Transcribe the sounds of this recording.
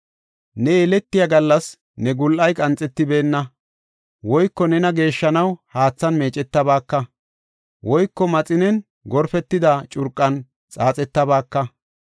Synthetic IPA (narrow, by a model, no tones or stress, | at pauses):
nɛelɛt̪ːɪjɐɡɐlːɐs | nɛɡʊlʔɐjkʼɐnt͡sʼɛt̪ːɪbe̞ːnːɐ | wɔjkːɔnɛnɐɡe̞ːʃːɐnɐwhaːt͡sːɐnme̞ːt͡ʃʼɛt̪ːɐbaːkːɐ | wʔɔjkːɔmɐt͡sʼɪnɛn | ɡɔɾfɛt̪ːɪd̪ɐt͡ʃʼʊɾkʼːɐn | t͡sʼaːt͡sʼɛt̪ːɐbaːkːɐ